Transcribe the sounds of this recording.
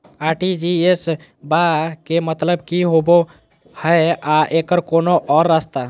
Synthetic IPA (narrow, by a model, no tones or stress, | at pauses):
aɾʈid͡ʒies | bakemət̪ləbkiɦobo | həeaʔekəɾkonoʔɔɾːast̪a